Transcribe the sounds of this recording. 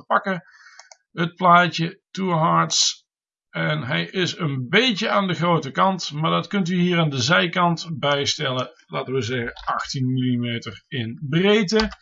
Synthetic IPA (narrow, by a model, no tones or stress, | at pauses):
pɑkə | ɦət̚plaːtətuɦɑɹts | ɛnɦɛjʔɪsənbejcəaːndəχrowtəkɑntmaːɹdɑtkɵntyɦiːɹaːndəzɛjkɑntbɛjstɛlə | la̰ːtənʋəzɛχəɑxtinmilimejtərɪnbrejtə